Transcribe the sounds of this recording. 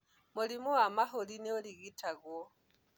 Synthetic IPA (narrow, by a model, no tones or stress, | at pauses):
mulimuamaɦolineoliɣitʰaɣwɔ